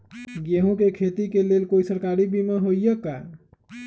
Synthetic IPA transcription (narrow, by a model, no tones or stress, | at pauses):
ɡeɦũkekʰet̪ikelelkoisəɾkaɾibʱimeɦojjəkːa